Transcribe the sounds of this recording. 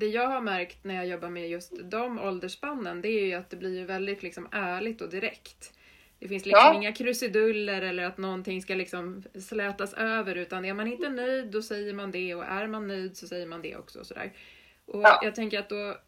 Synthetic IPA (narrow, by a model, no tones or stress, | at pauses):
d̪̥ɛjɑːɡhaɾmæɾkt̪næɾjɑːjɔbːaɾmɛjɵst̪d̪ɔmɔld̪əʂpanːənd̪ɛæɾjɵat̪̚d̪ɛblɪɾjɵvɛld̪ɪt̪lɪksɔmæːɭɪɡt̪ɔd̪ɪɾɛkt̪ | d̪̥ɛfɪnslɪsɔmɪŋːakʰɾɵsɪd̪ɵlːəɾɛlːəɾat̪nɔnt̪ʰɪŋːskalɪksɔmslɛːt̪asøːvəɾʉ̟ːt̪anæɾmanɪnt̪ənœjd̪ːɔsɛjːəɾmand̪ɛɔʔæɾmanːœjd̪sɔsɛjːəɾmand̪ɛ̰ʔɔ̰ksɔ̰sɔd̪æ̰ːɾ | ʔɔjʔɑːɡ̚t̪ʰɛŋkəɾat̪̚d̪ɔ